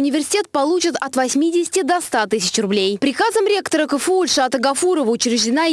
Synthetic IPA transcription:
ʊnʲɪvʲɪrsʲɪ̥tʲet̪̚pɐlˠut͡ɕɪt̪ɐt̪vɐsʲmʲidʲɪsʲɪ̥tʲɪd̪ɐst̪at̪ɨsʲɪ̥t͡ɕrʊblʲejpɾʲɪkazəmɾʲe̞kt̪əɾəkəfɨulʲʂat̪əɡɐfuɾəvəʊt͡ɕɾʲɪʐdʲɪna

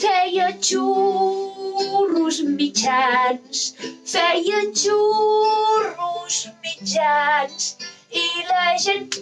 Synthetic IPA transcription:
fɛjət͡ʃu | ɾuzmit͡ʃansfɛjət͡ʃu | ɾuzmit͡ʃans | ilaʒen

